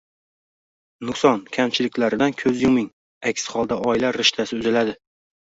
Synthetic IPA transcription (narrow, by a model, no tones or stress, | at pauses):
nʊsɒnkʲʰamt͡ʃʰɪlɪkʲlaɾɪd̪ankʲʰɵzjʊmɪŋ | akʲshɒlˠd̪aʔɒɪlaɾːɪʃt̪ʰasɪʊzɪlad̪ɪ